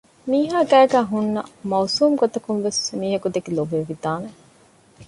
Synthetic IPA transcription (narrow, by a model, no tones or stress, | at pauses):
miːɦaːɡæːɡæːɦunːɐ̰mɐːsuːmɡot̪ɐkunʋesmiːɦɐkud̪eɡilobeʋid̪aːne